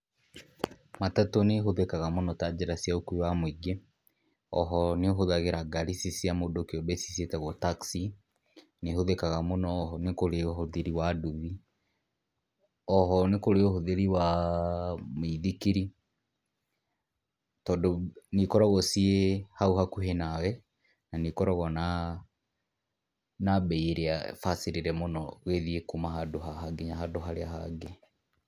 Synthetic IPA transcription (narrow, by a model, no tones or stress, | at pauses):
matatoneɦoðekaɣamonɔtad͡ʒeɾasijaokuiwamwiɡe | ɔ̰ɦɔneoɦoðaɣeɾaɡaɾisisiamodokeɔbɛsi̥sietɛɣɔtaksi | neɦoðekaɣamonɔːɦɔnekoɾeɔɦoðeɾiwaduβi | ɔɦɔnekoɾeoɦoðeɾiwa | meiðikiɾi | tɔːndonikɔɾɔɣɔsiehauhakuɦenawɛ | nanikɔɾɔɣɔna | nabɛieɾeafaseɾeɾɛmonɔɣeðiekomaɦadoɦaɦaɡeɲaɦadoɦaɾeaɦa̰ɡe